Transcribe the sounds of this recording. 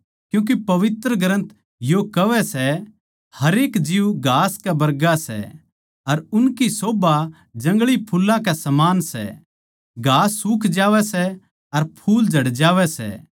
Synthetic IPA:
kjũːk̬ipɐʋɪt̪ɾəɡʱɐɾə̃nt̪ | jokɐʋɛsɛ | hɐɾeːkd͡ʒiuɡʱaːskɛbɐɾɡasɛ̰ | ɐɾʊnkisoːba | d͡ʒɐ̃ŋɡɭipʰulːãkɛsɐmaːnsɛ̰ | ɡʱaːsːuːkʰd͡ʒaːʋɛsɛ | ɐɾpʰuːld͡ʒʱɐɽd͡ʒaːʋɛsɛ̰

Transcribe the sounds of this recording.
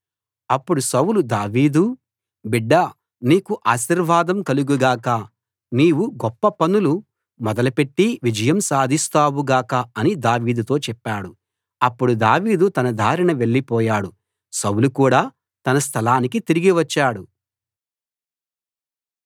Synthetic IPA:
ɐpːuɽusɐwulud̪aːʋiːd̪u | biɖːɐ | niːkuʔaːʃiɾʋaːd̪ɐmkɐluɡuɡaːkɐ | niːwuɡɔpːɐpɐnulu | mɔd̪ɐlɐpe̞ʈːiʋid͡ʒɐjɐmsaːd̪ʱist̪aːwuɡaːkɐɐnid̪aːʋiːd̪ut̪o̞ːt͡ʃɛpːaːɽu | ɐpːuɽud̪aːʋiːd̪ut̪ɐnɐd̪ʱaːɾiɳɐʋe̞ɭːipɔːjaːɽu | sɐwulukuːɽaː | t̪ɐnɐst̪ʰɐlaːnik̬it̪iɾiɡiʋɐt͡ʃːaːɽu

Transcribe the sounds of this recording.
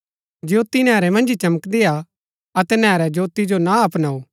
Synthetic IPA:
d͡ʒoːt̪inɛːɾɛmɐ̃nd͡ʒit͡ʃɐməkd̪ea | ɐt̪ɛnɛːɾɛd͡ʒoːt̪id͡ʒonaɐpnaːuː

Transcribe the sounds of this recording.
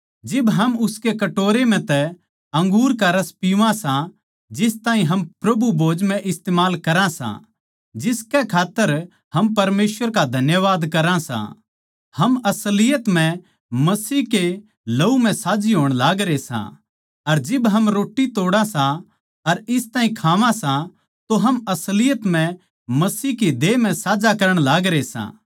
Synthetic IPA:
d͡ʒɪbɦɐmʊskekɐʈoːɾem̤ɛ̃t̪ɛ | ɐ̃ŋɡuːɾkaɾɐspiʋãsã | d͡ʒɪst̪aːɦĩɦɐmpɾɐbʱubʱoːd͡ʒmɛ̃ʔɪst̪eːmaːlkɐɾãsã̰ | d͡ʒɪskɛkʰaːt̪ːəɾ | ɦɐmpɐɾmeːsʋəɾkad̪ʱɐnjəʋaːd̪kɐɾãsã̰ | hɐmɐslɪjət̪m̤ɛ̃ | mɐsiːɦke | lɐum̤ɛ̃saːd͡ʒiɦoːɽ̃laːɡɾesã̰ | ɐɾd͡ʒɪbɦɐmɾoːʈːit̪oːɽãsã | ɐɾɪst̪aːɦĩkʰaːʋãsã | t̪oɦɐmɐslɪjət̪m̤ɛ̃ | mɐsiːkid̪eːm̤ɛ̃saːd͡ʒakɐɾəɽ̃laːɡɾesã̰ː

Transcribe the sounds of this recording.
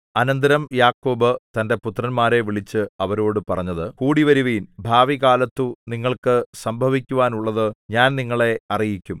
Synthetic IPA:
ɐnɐnd̪ɐɾɐmjaːkːo̞ːbɨt̪ɐnde̞put̪ːrɐnmaːɾe̞ʋiɭit͡ɕːɨɐʋɐɾo̞ːɽɨpɐrɐɲːɐðɨkuːɽiʋɐɾuʋiːnbʱaːʋiɣaːlɐt̪ːuniŋːɐɭkɨsɐmbʱɐʋikʲːuʋaːnuɭːɐðɨɲaːnniŋːɐɭe̞ɐrijikʲːum

